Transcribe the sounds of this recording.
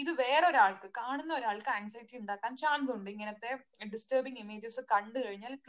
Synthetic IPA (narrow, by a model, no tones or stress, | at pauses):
iðɨʋeːɽo̞ɾaːɭkɨkaːɳunːɐoɾaːɭkɨaːksɐjtːiuɳɖaːkːaːnt͡ɕaːnsuɳɖɨiŋːɐnɐt̪ːe̞ɖisʈɐːbiŋimeːd͡ʑɐsɨkɐɳɖɨkɐɻiɲːaːlʈ